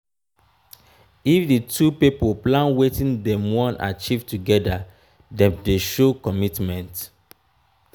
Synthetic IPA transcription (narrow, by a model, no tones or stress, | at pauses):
ifditʰupipoplãnwetĩndɛ̃mwɔ̃nʔa̰t͡ʃivtuɡɛda | dɛ̃mdeʃokɔmitmɛ̃nt